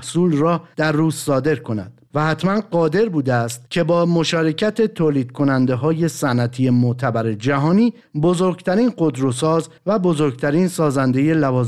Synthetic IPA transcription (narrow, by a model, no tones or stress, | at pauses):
suːlrɒːd̪̥æɾːuːzːɒːd̪e̞ɾkʰo̞næ̰d̪̥væhæt̪ʰmænɢɒːd̪e̞ɾbuːd̪eæst̪cʲʰe̞bɒːmo̞ʃɒːɾe̞cʰæt̪ʰe̞t̪ʰoːliːd̪̥̚kʰo̞nænd̪e̞ɦɒːje̞sænʔæt̪ʰije̞mot̪ʰæbæɾe̞d͡ʒæɦɒːniː | bo̞zo̞ɾɡt̪ʰæɾiːnɢo̞d̪ɾo̞sɒːz | væbo̞zo̞ɾɡt̪ʰæɾiːnsɒːzænd̪e̞je̞lævɒːz